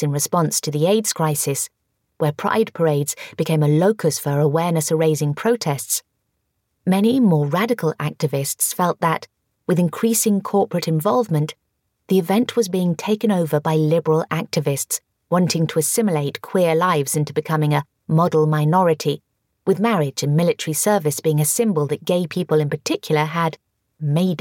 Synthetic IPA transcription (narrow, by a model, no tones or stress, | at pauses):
ɨ̃nɹɨspɑ̃nstʰɨðieɪdz̥kʰɹ̥aɪsɨs | wə˞pʰɹ̥a̰ɪd̚pʰə˞eɪdz̥b̥ɨkʰẽɪ̃mɨloʊkɨsfə˞əwɛɹnɨsəɹeɪzɪ̃ŋpʰɹ̥oʊtʰɛsts | mɛnimɔɹɹæɾɨkl̩ˠæk̚tɨvɪstsfɛlˠt̪̚ðɨt̚ | wɨðɨ̃nkʰɹ̥isɪ̃ŋkʰɔɹpɹɨɾɨ̃ɱvɑlˠvmɨ̃nʔ | ðiɨvɛ̃nʔwʌzbiɪ̃ŋtʰeɪkɨ̃noʊvə˞baɪlɪbə˞l̩ˠæk̚tɨvɨsts | wɑ̃ntʰɪ̃ŋtʰəɨsɪ̃mleɪt̚kʰw̥ɪɹlaɪvz̥ɪ̃ntʉbɨkʰʌmɪ̃ŋɨ | mɑɾl̩ˠmaɪnɔɹɨɾi | wɨðmɛɹɪd͡ʒɨ̃nmɪlˠɨtə˞isɜ˞vɨsb̥iɪ̃ŋɨsɪ̃mbəl̩ˠðɨt̚ɡ̥eɪpʰipəlˠɨ̃npə˞tʰɪkʰjl̩ˠə˞ɨd | meɪd